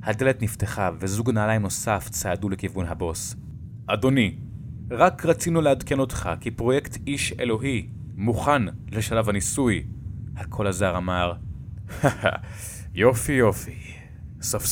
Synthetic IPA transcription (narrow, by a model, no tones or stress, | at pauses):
hadeletnifteχavezuɡnaːlajmno̞saft͡saadulekivunɦabo̞s | ʔado̞niʁakʁat͡sinulehadke̞no̞tχa̰kipʁo̞jektiʃḛlo̞ɦi | muχanleʃalavhanisujhakʰo̞lazaʁamaʁa | jo̞fijo̞fi | sof